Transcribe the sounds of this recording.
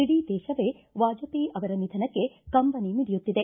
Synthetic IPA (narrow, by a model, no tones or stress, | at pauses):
iɽid̪ɛːʃɐʋe̞ | ʋaːd͡ʒɐpiʔɐʋɐɾɐnid̪ʱɐnɐkːekɐmpɐniniɽijut̪ːid̪e̞